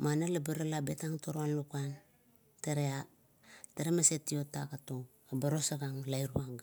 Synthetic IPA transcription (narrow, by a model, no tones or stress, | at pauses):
manalabiɾalabetaŋtoɾoanlukan | teɾea | teɾemasetio̞takato | abaɾo̞saɡaŋlajɾuaŋɡ